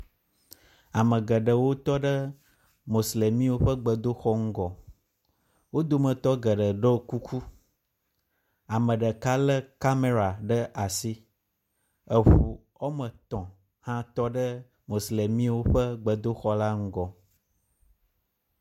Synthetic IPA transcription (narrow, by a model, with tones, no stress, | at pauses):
a˨mə̃˨ɡə˨ɖə˨wo˦t̪ɔ˦ɖə˦ | mo˨sle˨mĩ˦wo˦ɸə˦ɡ͡bə˨d̪o˦xɔ˦ŋ̩˦ɡɔ˨ | wo˦d̪o˦mə̃˨t̪ɔ˦ɡə˨ɖə˨ɖə˦ku˦kʰu˦ | a˨mə̃˨ɖə˨ka˦lə˦ka˦me˦ɾa˨ɖə˦ʔa˨si˦ | ə˨ɸu˨ | ɔ˦mə̃˨t̪ɔ̃˨ | hã˦t̪ɔ˦ɖə˦ | mo˨sle˨mĩ˦wo˦ɸə˦ɡ͡bə˨d̪o˦xɔ˦la˦ŋ̩˦ɡɔ˨